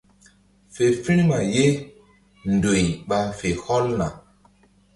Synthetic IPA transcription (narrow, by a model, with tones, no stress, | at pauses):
fe˨fi˦ɾma˨je˦ | ndo˨ɲɓa˧fe˨hɔ˦lna˨